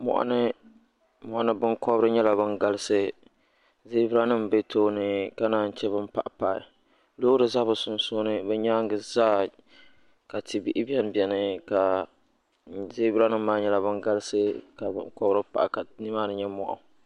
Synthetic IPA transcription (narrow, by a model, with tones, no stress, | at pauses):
mɔ̰˨ʔa̰˨nɨ˦ | mɔ˨ʔa˨nɨ˦bɨ˦ŋkɔ˦bɾɨ˦ɲɛ˦la˨bɨ˦ŋɡa˦lɨ˦sɨ˦ | zeː˦bɪ˦ɾa˦nɨ˦mbe˦tʰoː˦nɨ˦ka˦naː˨n̩˨t͡ʃɛ˦bɨ˦mpa˦˨ʔpa˨ɪ̰˨ | loː˦ɾɨ˨za˦bɨ˨sʊ˨nsoː˦nɨ˦bɛ˦ɲaː˦ŋ˦ɡɨ˨zaː˦ | ka˨ti˨bi˦ʔɪ˦bi˦ɛ˦nbɛ˨nɨ˦ka˨ | zeː˦bɾa˦nɨ˦mː˦aː˦ɲɛ˦la˨bɨ˦ŋɡa˦lɨ˦sɨ˦ka˨b̰kɔ˦bɾɨ˦pa̰˨ka˨ni˦maː˦nɨ˦ɲɛ˦mɔ̰˨ʔa̰˨